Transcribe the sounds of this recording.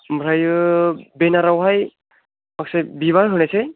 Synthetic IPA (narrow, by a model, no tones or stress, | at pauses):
mɾaj | benaɾawɦaj | maksebiβaɾɦɯnese